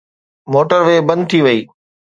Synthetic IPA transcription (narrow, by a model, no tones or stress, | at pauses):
moːʈəɾʋeːbɐ̃nd̪̚t̪ʰiʋɐiː